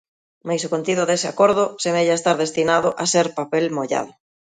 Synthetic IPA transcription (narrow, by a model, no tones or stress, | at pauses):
majsokont̪iðʊðesɪakoɾðʊsemeʎaest̪aɾðest̪inaðʊʔaseɾpapelmoʎa̰ðʊ